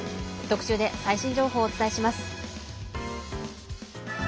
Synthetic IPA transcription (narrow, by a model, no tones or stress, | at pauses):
t̪o̞kɯ̟̥ɕɨːd̪e̞saiɕĩɲ̟d͡ʑo̞ːɦo̞ːt͡sɨ̥t̪aiɕimasɨ̥